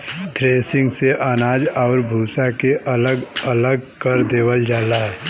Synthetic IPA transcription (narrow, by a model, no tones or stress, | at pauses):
t̪ɾeːsɪ̃ŋɡseʔanaːd͡ʒɔːɾbʱuːsakeʔɐləɡələɡkəɾd̪eːʋəld͡ʒaːlaɦɛː